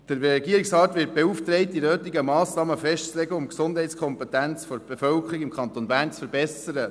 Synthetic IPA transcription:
d̥əɾɛɡiəɾiksʁɑːtʋɪːt̚b̥euft̪ɾɛɪtːinøːtiɡəmɑːsnɑːməfɛʃtt͡slɛɡəʊmksʊnd̥ɦɛɪtt͡sskʰɔmpɛtænt͡sfɔɾb̥efœlkʰəɾikɪmkʰɑnt̪onbæːɾnt͡sfəɾbɛsəɾə

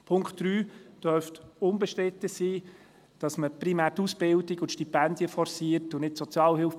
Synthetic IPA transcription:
pʰʊŋktɾyːd̥œɾftʊnbəʃtɾɪtəsiː | d̥ɑsməpɾimæːɾtuːsb̥ɪldɪɡʊt̪ʃtipændjəfɔɾsiəɾtʊnɪt̚sɔt͡sjɑːlɦɪlf

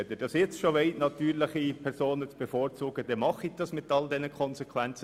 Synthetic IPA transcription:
ɛd̪əd̥ɑsjɛt͡sʃoʋeɪtnɑt̪yːɾlɪχipʰɛɾsoːnət͡sb̥ɛfoːɾt͡suːɡəd̪ɛmɑχid̥ɑsmɪtɑldɛnəkʰɔnsɛkʰwɛnt͡sə

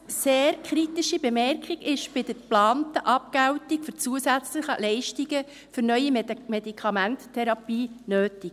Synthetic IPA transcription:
seːɾkχɾit̪iʃibɛmɛrkχiɡɪʃb̥ɪd̥əɾplɑːntəʔɑp̚kæwtikfɵɾt͡suəsæt͡sləχəlɛɪʃtiɡə | fʏɾnœʏimɛdikʰɑmænttʰɛɾɑpiːnøːtik

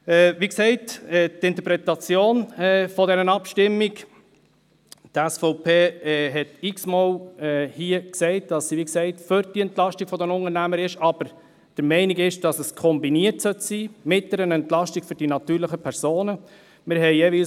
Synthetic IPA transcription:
ɛːʋiksɛɪtɛtɪnt̪əɾpɾɛt̪ɑt͡sjoːnɛfɔdɛɾənɑpʃtɪmːiɡ | tæsfɔʊpʰeːɦɛtiksmɔwɛːhiːəksɛɪt̚d̥ɑsːiʋiksɛɪtføɾd̥iɛntlɑʃtikfɔdənʊŋəɾnæməɾɪʃɑb̥əɾ | d̥əɾmɛɪniɡɪʃd̥ɑsəskʰɔmbiniətsœtsiːmɪt̚d̥ɛɾənɛntlɑʃtiɡ̥fʏɾd̥inɑtyːɾləχəpʰɛɾz̥oːnə | mɪɾɦɛɪjeːʋiːs

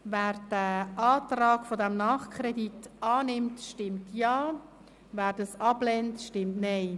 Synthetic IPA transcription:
vɛːɾd̥əʔaːtrɑːkfodɛmnɑːχkʰrɛditɑːnɪmtʃtɪmtjɑː | væːɾdɑsɑblɛntʃtɪmtnɛɪ

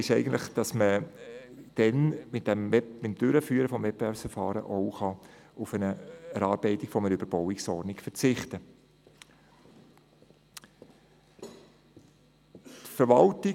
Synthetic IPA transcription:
ɪʃɛɪɡəntlɪχd̥ɑsmə | d̥ɛnmɪt̚ɛmɛmɪtmd̥ʏɾəfyːəɾəfɔmvɛp̚beɛːɾpsfɛəɾfɑːɾə̰ʔoʊχɑʊfənəɛɾɑːɾb̥ɛɪtɪkfɔmənəʏb̥əɾb̥ɔwɪksɔɾnɪkfəɾt͡sɪχtə | tfəɾʋɑltɪ

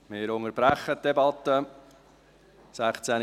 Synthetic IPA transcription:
meɾoŋəɾb̥ɾæχːət̪̚d̥ɛbɑt̪ːə | sæχt͡sæn

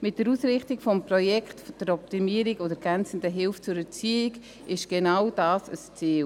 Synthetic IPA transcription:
mɪt̚d̥əɾuːsɾɪχtikfɔmpɾɔjɛkχtd̥əɾɔp̚timiːəɾiɡodəɾɡ̥ɛnt͡sn̩dəɦɪlft͡sʊɾət͡siːɪɡ | ɪʃɡ̥enawd̥aːsəst͡siːl

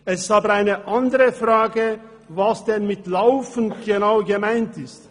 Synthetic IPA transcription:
ɛsɪ̥saːbəʁaɪnəʔandəʁəfʁaːɡə | vasd̥ɛnmɪtlaʊfən̩ɡ̥ənaʊɡəmaɪntɪst

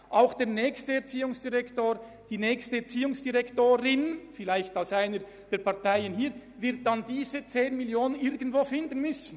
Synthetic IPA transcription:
ʔaʊxd̥eːʁnɛːçstəɛɐt͡siːʊŋsd̥iʁɛktoːɾ | d̥iːnɛːçstəɛt͡siːʊŋsd̥iʁɛktoːɾɪnfɪlaɪçtaʊsaɪnə | d̥eːɐɾpɑɐtaɪənhiːɾvɪɾt̚d̥ɑndiːzət͡seːnmɪljoːnənɪɾɡən̩tvoːfɪndən̩mʏsn̩

